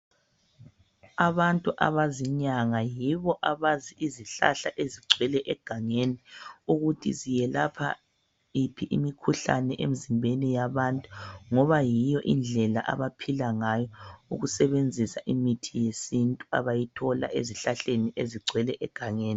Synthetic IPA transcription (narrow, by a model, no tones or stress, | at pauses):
aβantʼuʔa̰βaziɲaŋajiβɔʔaβaziiziɬa̰ɬaʔeziɡ͡ǀʱwɛlɛʔɛɡ̥ʱaŋeniuɣutʰḭzijɛlapʰa̰ | ipʰiʔimikʰuɬa̰nɛʔem̩zimbʱenijaβantʼuŋɔβajijɔʔind͡ɮʱɛlaʔa̰βapʰilaŋajɔṵɣusɛβend͡zʱisaʔimitʰijesintʼua̰βajitʰɔla̰ʔeziɬaɬeniʔeziɡ͡ǀʱwɛlɛʔɛɡ̥ʱaŋeːni